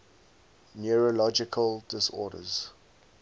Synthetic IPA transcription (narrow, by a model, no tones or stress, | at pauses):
njuɹolɔd͡ʒɪkʰəldɪsɔːɾə̰z̥